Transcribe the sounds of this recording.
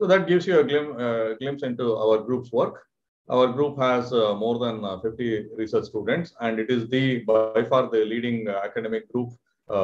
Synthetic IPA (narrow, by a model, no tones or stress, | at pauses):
sod̪æʈ̚ɡɪʋsjueɡlɪ̃mɡlɪ̃msɪ̃ɳʈua̰ʋəɾɡɾuːpsʋəɾk | ʔa̰ʋəɾɡɾuːpɦæzmoːɾd̪æ̃nfɪfʈiɾɪsəɾt͡ʃsʈuːɖə̃ɳʈsæ̃ɳɖɪʈɪzd̪ibaɪfaːɾd̪iliːɖɪ̃ŋækəɖemɪk̚ɡɾuːp